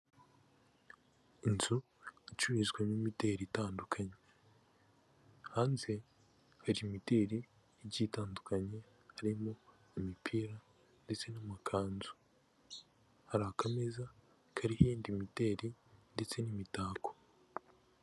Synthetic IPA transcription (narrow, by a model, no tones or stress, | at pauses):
inzu | it͡ʃuβizɡwemimite̞ɾitaːndukʰaɲe̞ | haːnze | haɾimite̞ɾi | iɟitaːndukaɲe̞ | haɾimo̞ | imipʰiɾa | nde̞t͡se̞namakʰaːnzu̥ | haɾahakameza | kʰaɾihiiːndimite̞ːɾinde̞t͡se̞nimitaːkʰo̥